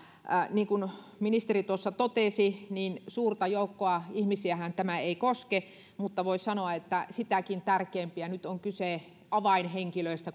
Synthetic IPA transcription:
niːŋkun | minist̪erit̪uosːɑt̪ot̪esiniːnsuːrt̪ɑjoˑukːoɑihmisiæhænt̪æmæeikoske | mut̪ːɑʋoisɑnoɑet̪ːæsit̪ækint̪ærkeːmpiænyt̪oŋkyseˑ | ʔɑʋɑinheŋkiløist̪æ

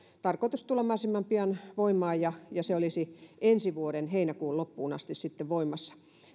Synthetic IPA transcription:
t̪ɑrkoit̪ust̪ulɑmɑːˑsimːɑmpiɑnʋoimˑɑːjjɑjɑseolisiʔensiʋuoɾenheinækuːllopːuːnɑ̰st̪issit̪ːeʋʋoimːˑɑsːɑ̥

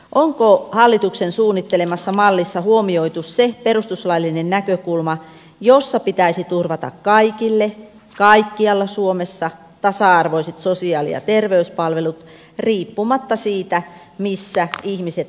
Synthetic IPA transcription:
ʔoŋkohɑlːit̪uksensuːnːit̪ːelemɑsːɑmɑlːisːɑhuomioit̪usseperust̪uslɑilːinennækøkulmɑ | josːɑpit̪æisit̪urʋɑt̪ɑ̰kkɑikilːe | kɑikːiɑlːɑsuomesːɑ | t̪ɑsɑɑrʋoiset̪sosiɑːlḭjɑ̰t̪erʋeyspɑlʋelut̪ | riːpːumɑt̪ːɑsiːt̪æ | misːæihmiset̪

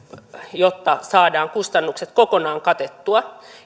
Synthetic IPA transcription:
jot̪ːɑsɑːdɑːŋkust̪ɑnːukset̪kokonɑːŋkɑt̪et̪ːuɑ

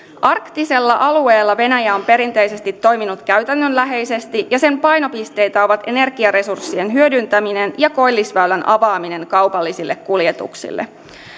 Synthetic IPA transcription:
ʔɑrkt̪ise̞lːɑʔɑlue̞ːlːɑʋe̞næjæo̞mpe̞ɾint̪e̞jse̞st̪it̪ːo̞jminut̪kæɥt̪ænːønlæɦe̞jse̞st̪ijɑse̞mpɑjno̞pist̪e̞jt̪æo̞ʋɑt̪e̞ne̞rɡiɑɾe̞sursːie̞nɦyø̞dynt̪æmine̞njɑko̞jlːisʋæylænʔɑʋɑːmine̞ŋkɑwpɑlːisilːekkuljet̪ṵksḭlːʔḛ

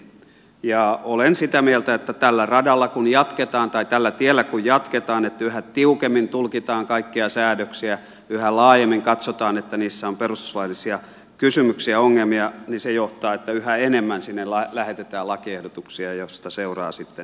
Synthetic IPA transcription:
jɑolensit̪æmielt̪æet̪ːæt̪ælːærɑdɑlːɑkunjɑt̪ket̪ɑːnt̪ɑit̪ælːæt̪ielːækujjɑt̪ket̪ɑːnet̪ːæyhæt̪iukemːint̪ulkit̪ɑːŋkɑikːiɑsæːdøksiæ | yhælɑːjemːiŋkɑt̪sot̪ɑːnet̪ːæniːsːæomperust̪u̥slɑilːisiɑ | kysymyksiæoŋːelmiɑnisejoht̪ɑːet̪ːæyhæenemːænsinːellɑlæhet̪et̪æːlɑkiehdot̪uksiɑjost̪ɑseurɑ̰ːsit̪ːen

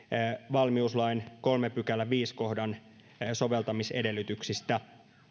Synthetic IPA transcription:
ʋɑlmiuslɑinko̞lmepykælːæʋiːsko̞ɦdɑn | soʋe̞lt̪ɑmise̞̰de̞lːyt̪yksist̪æ

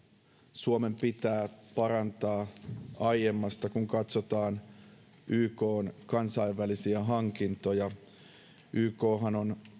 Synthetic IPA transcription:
suome̞mpit̪æːpɑɾɑnt̪ɑːɑjjemːɑst̪ɑkuŋkɑt̪sot̪ɑːn | ʔyːko̞ːnkɑnsɑiʋːælisiæɦɑŋkint̪o̞jɑ | ʔyːko̞ːɦɑno̞n

